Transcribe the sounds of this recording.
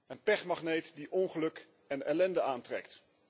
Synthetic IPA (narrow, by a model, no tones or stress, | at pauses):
ənpɛχmaχnejtdiʔɔŋχəlɵk | ɛnɛ̰lɛndəaːntrɛ̰kt